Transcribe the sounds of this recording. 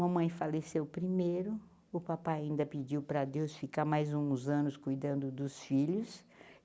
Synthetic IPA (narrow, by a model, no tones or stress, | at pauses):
ɐmɐ̃j̃falesewpɾimejɾʊ | ʊpapajaĩnd̪ɐpid͡ʒiwpɾɐd̪ewsfikamajzũzɐ̃nʊskujd̪ɐ̃nd̪ʊd̪ʊsfiʎʊs